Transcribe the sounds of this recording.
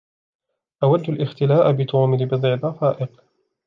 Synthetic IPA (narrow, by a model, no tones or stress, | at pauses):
ʔawad̪ːalʔɪxt̪ɪlaːʔbɪt̪ˤʰuːmɪlbɨd̪ˤʕɪd̪ˤɑfaːʔɪq